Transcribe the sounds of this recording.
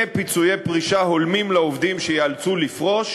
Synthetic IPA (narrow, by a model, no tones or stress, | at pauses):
pit͡sujepʁiʃaɦo̞lmimleovd̪imʃejealt͡sulifʁo̞ʃ